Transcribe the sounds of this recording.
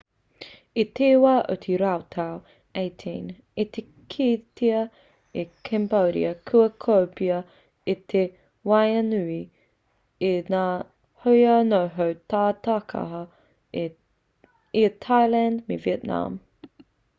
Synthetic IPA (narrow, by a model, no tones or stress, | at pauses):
it̪ʰeːwaʔo̰t̪ʰiɾawt̪ʰaw | eɪtʰĩn | it̪ʰe | kʰiːt̪ʰiɐ | ikʰɛmboɾḭɐkʰuɐkʰowpiɐ | it̪ʰe | wajɐnʉi | inaː | hojɐnoɦəwt̪ʰaːt̪akʰɐ̰ɦɐ | it̪ʰajlandmḛviɛt̪na̰m